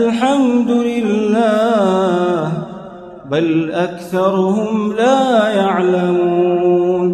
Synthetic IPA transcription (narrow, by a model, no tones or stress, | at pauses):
alħamd̪ʊlɪlːaː | h | balʔakθɑɾˤʊhʊmlaːjaʕlamun